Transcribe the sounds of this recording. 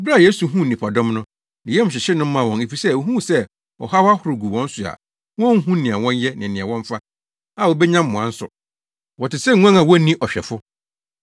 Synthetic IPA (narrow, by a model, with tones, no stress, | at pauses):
bɾa˦˨je˦su˨ɦũ˦˨nĩ˨pʰa˨dɔ̃˦mnʊ̃˦ | nɪ̃˨jɛ˦m̩˨ɕ̬ᶣɪ˨ɕɪ˦nʊ̃˦m̩˦ã˦˨wɔ̃˨ne˨fi˨sɛ˦˨o˨ɦũ˦˨sɛ˦ | ɔ̰˨ɦa˦wa˦hʊ˨ɾʊ˨ɡu˨wɔ̃˦n̩˦sʊ˨a̰˨ | wɔ̃˦ŋ̩˦ɦũ˦nĩ˨ã˨wɔ̃˦njɛ˦nɪ̃˨nĩ˨ã˨wɔ̃˦ɱ˦fa˦ | a˨wɔ˨bɛ˦ɲã˦mː˨ʊ̃˨ã˨˦n̩˦sʊ̰˨ | wɔ˨tɪ˨sɛ˦˨˦ã˦ŋã˨wɔ˦nĩ˦ʔɔ˨ɕᶣɛ˨fʊ˦